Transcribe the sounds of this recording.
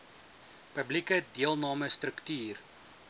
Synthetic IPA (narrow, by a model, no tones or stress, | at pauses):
pəblikədiəlˠnɑːməstrəktyːr